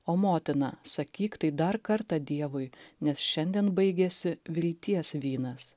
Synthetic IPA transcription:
oːmoːt̪ʲɪnɐsɐkʲiːkt̪ɐɪd̪ɐɾkɐɾt̪ɑd̪ʲiɛʋʊɪnʲɛsʃʲɛnʲd̪ʲiɛnbɐɪɡʲɛsʲɪʋʲɪlʲt̪ʲiɛsʋʲiːnɐs

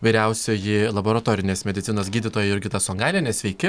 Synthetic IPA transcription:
ʋʲɐɪɾʲɛʊsʲojɪlˠɐboːɾɐt̪oːɾʲɪnʲeːsmʲɛd̪ʲɪt̪ʲɪnoːsɡʲiːd̪ʲɪt̪oːjɛɪɾʲɡʲɪt̪ɐsoŋɡɑːlʲɪnʲɛsʲʋʲɛɪkʲɪ

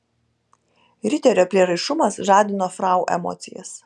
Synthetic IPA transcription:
ɾʲɪt̪ʲɛɾʲoːpʲlʲiɛɾɐɪʃʊmɐsʒɑːd̪ʲɪnoːfɾɑˑʊʔɛ̰mɔ̰ːt̪sʲɪjɛ̰s

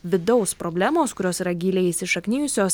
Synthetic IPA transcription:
ʋʲɪd̪ɒʊspɾobʲlʲæːmoːskʊɾʲoːsiːɾɐɡʲiːlʲeːjisʲɪʃɐknʲɪːjʊsʲoːs

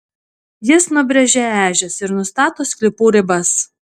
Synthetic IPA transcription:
jɪsnʊbʲɾʲɛʒʲɛæːʒʲɛsɪɾnʊst̪ɑːt̪oːsʲkʲlʲɪpuːɾʲɪbɐs

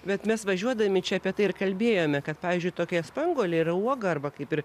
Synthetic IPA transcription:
bʲɛt̪mʲɛsʋɐʒʲuɔd̪ɐmʲɪt͡ʃʲɛɐpʲiɛt̪ɐɪɪrkɐlʲbʲeːjoːmʲɛkɐt̪̚pɑːʋʲiːzʲd͡ʒʲʊɪt̪oːkʲɛspɐŋɡoːlʲeirɐuɔɡɐɐrbɐkɐɪpɪr

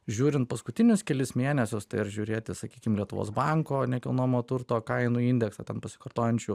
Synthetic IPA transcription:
ʒʲuːɾʲɪnt̪̚pɐskʊt̪ʲɪnʲʊskʲɛlʲɪsmʲeːnʲɛsʲʊst̪ɐɪɐɾʒʲuːɾʲeːt̪ʲɪsɐkʲiːkʲɪmlʲiɛt̪ʊʋo̰ːsbɐŋkoːnʲɛkʲɛlˠnoːmoːt̪ʊɾt̪oːkɐɪnuːinʲd̪ʲɛksɐːt̪ʲɛnpɐsʲɪ̥kɐrt̪oːjɛnʲt͡ʃʲuː

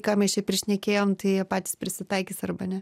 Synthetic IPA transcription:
kɑːmʲɛst͡ʃʲɛpʲɾʲɪʃʲnʲɛkʲeːjoːmt̪ɐɪiɛpɑːt̪ʲiːspʲɾʲɪsʲɪt̪ɐɪkʲiːsɐrbɐnʲɛ

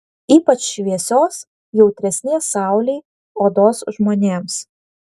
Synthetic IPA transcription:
iːpɐt͡ʃʃʲʋʲiɛsʲoːs | jɛʊt̪ʲɾʲɛsʲnʲeɛsɑˑʊlʲɛɪ | oːd̪oːsʒmoːnʲeːms

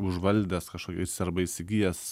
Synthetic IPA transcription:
ʊʒʋɐlʲd̪ʲɛskɐʃkoːkʲɛssʲɛɾbɐisʲɪɡʲijɛs

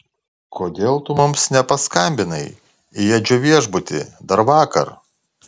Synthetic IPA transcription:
kʰoːd̪ʲeːlˠt̪ʊmʊmsnʲɛpɐskɐmʲbʲɪnɐɪ | ɪjɛd͡ʒʲoʋʲiɛʒbʊt̪ʲɪ̰d̪ɐɾʋɑːkɐ̰ɾ

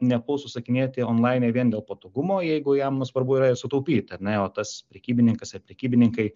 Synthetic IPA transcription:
nʲɛbuːsʊsɐkʲɪnʲeːt̪ʲɪoːnlˠɑɪnʲeʋʲiɛnd̪ʲeːlˠpɐt̪oːɡʊmoːjɛɪɡʊjɛmnusʋɐrbʊiɾɐɪsʊt̪ɐʊpʲiːt̪ʲɐrnʲɛoːt̪ɐspʲɾʲɛkʲiːbʲɪnʲɪŋkɐsɪrpʲɾʲɛkʲiːbʲɪnʲɪŋkɐɪ

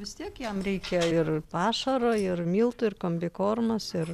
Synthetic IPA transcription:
ʋʲɪst̪ʲiɛkjɛmrʲɛɪkʲɛɪrpɑːʃɐɾoːɪrmʲiːlˠt̪ʊɪrkomʲbʲɪkoːrmɐsɪr

